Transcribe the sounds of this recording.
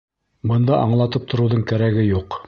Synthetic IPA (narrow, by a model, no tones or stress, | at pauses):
bɤ̆nd̪ɑʔɑ̰ɴlˠɑt̪ɤp̚t̪ʰŏɾɤwðɤɴkæɾæɡɘjuq